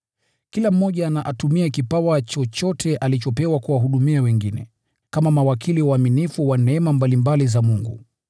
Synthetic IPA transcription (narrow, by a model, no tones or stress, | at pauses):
kilam̩ːɔʄanaʔatumiakipawat͡ʃɔt͡ʃɔtʰɛʔalit͡ʃɔpɛwakuwaɦuɗumiawɛŋɡinɛ̰ | kamamawakʰiliwaminifuwanɛɛmambalimbalizamuŋɡṵ